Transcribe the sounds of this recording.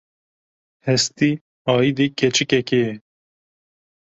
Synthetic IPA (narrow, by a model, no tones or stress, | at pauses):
hɛst̪i | ɑːid̪ekʰɛt͡ʃɨkɛkejɛ